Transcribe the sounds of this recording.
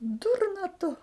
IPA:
ˈdʊrnɐ tʊ

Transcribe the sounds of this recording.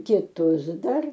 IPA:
kʲɪˈtʊs ˈdɐr

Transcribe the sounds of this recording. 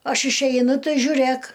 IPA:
ˈɐʃ ɪʃʲˈɛɪnʊ ˈtɐɪ ʒʲʊˈrʲeːk

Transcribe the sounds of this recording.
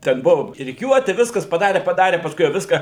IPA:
ˈtʲɛn ˈbʊʋoː rʲɪˈkʲuɔtʲɪ ˈʋʲɪskɐs pɐˈdɑːrʲɛ pɐˈdɑːrʲɛ pɐsˈkʊɪ jɛʊ ˈʋʲɪskɑː

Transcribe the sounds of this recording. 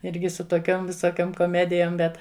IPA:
ˈɪrʲɡʲɪ sʊ toːˈkʲoːm ʋʲɪsoːˈkʲoːm koːˈmʲæːdʲɪjoːm ˈbʲɛt

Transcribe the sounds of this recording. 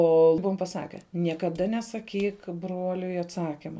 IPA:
ˈoː ˈbʊʋoːm pɐˈsɑːkʲɛ nʲiɛkɐˈdɐ nʲɛsɐˈkʲiːk ˈbruɔlʲʊɪ ɐtˈsɑːkʲɪmɐ

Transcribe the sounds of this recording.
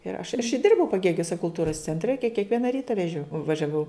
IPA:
ɪr ɐʃ ɐ ɪʃ ˈdʲɪrbɐʊ pɐˈɡʲeːɡʲʊsʲɛ kʊlˠˈtuːrɐs t͡sʲɛnʲˈtʲrʲɛ kʲɛ kʲɛkˈʋʲiɛnɐ ˈrʲiːtɐ ʋʲɛˈʒʲoː ʋɐʒʲɛˈʋɐʊ

